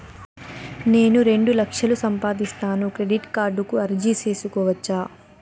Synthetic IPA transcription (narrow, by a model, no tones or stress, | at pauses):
ne̞ːnuɾe̞ɳɖulɐkʂɐlusɐmpaːd̪ist̪aːnukɾe̞ɖiʈkaːɾɖukuɐɾd͡ʒise̞ːsukɔːʋɐt͡ʃːaː